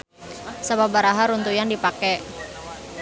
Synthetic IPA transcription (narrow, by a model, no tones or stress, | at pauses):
sababaɾaɦaɾunt̪ujandipakɛ